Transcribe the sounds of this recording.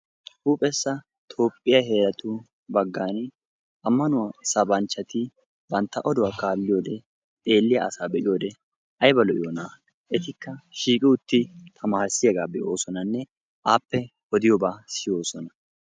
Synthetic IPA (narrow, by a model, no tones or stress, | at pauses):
huːpʼɛsːɐ | t̪ʰo̞ːpʼːɪjaɦe̞ːɾɐt̪ʊ | bɐɡːaːn | ʔɐmːɐnʊwasɐbɐnt͡ʃːɐt̪ɪ | bɐnt̪ːɐʔɔd̪ʊwaːkaːlːɪjo̞ːd̪ɛ | t̪ʼe̞ːlːɪjɐ̰ɐsaːbɛʔɪjo̞ːd̪ɛ | ʔɐjbɐlɔʔɪjoːnaː | ʔɛt̪ɪkːɐʃiːkʼɪʊt̪ːɪt̪ʰɐmaːɾsɪjɐɡaːbɛʔo̞ːsɔnɐnːɛ | ʔaːpːɛ | ɔd̪ɪjɔbaːsɪjo̞ːsɔnɐ